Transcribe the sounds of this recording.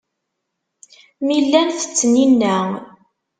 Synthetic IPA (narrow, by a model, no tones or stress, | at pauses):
milːænθə̥t͡sːninːæ